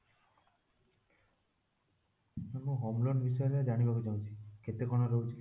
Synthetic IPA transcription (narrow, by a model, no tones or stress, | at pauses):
mamũɦɔmlɔnbis̬ɔjɔlead͡ʒaɽ̃ibʱabid͡ʒaũnt͡ʃʰiket̪ekɔɽ̃ɔɾowt͡ʃʰi